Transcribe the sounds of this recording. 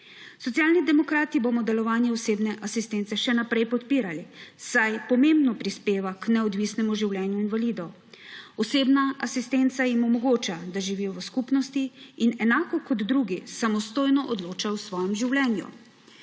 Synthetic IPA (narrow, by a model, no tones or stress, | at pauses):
sɔt̪sjaːlnid̪ɛmɔkɾaːt̪ibomɔd̪ɛlɔʋaːnjɛɔseːbnɛʔasist̪ent̪sɛʃɛnapɾɛjpɔt̪piːɾalisajpɔmembnɔpɾispeːʋaknɛɔd̪ʋisnɛmuʒiwlʲjɛnjuinʋaliːd̪ɔ | ɔseːbnaʔasist̪ent̪sajimɔmɔɡoːt͡ʃad̪aʒiʋiːjɔʋəskupnɔst̪iːnɛnaːkɔkɔd̪ːɾuːɡisamɔst̪oːjnɔʔɔd̪loːt͡ʃawsʋɔːjɛmʒiwlɛːnjṵ